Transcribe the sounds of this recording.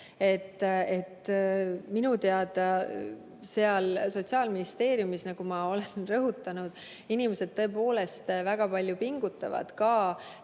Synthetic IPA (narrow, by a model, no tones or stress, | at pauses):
e̞t̪ːe̞t̪ː | minut̪e̞ɑd̪̥ɑ | se̞ɑlso̞t̪ʲsiɑːlminist̪e̞ːɾjumisnɑɡ̥umɑo̞le̞nnrɤɦut̪ːˑɑnud̪̥ | inime̞se̞d̪̥̚t̪ːɤ̞epo̞ːle̞st̪væɡ̥ɑpɑlʲjupiŋɡ̥ut̪ːˑɑ̰vɑ̰d̪̥kɑː